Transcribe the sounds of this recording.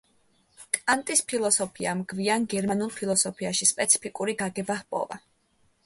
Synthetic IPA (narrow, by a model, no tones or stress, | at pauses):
kʼant̪ʼispʰilˠɔsɔpʰiamɡvianɡɛɾmanulˠpʰilˠɔsɔpʰiaʃispʼɛt̪sʰi̥pʰikʼuɾiɡaɡɛbahpʼɔ̰va̰